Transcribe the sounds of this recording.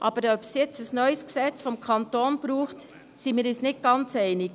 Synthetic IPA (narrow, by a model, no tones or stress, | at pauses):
ʔɑːb̥əɾœpsjɛt͡səsnœʏəsksɛt͡sfɔmkʰɑntoːnb̥ɾuːχt | simiːɾisnɪt̚ɡ̥ɑnt͡sɛɪnɪk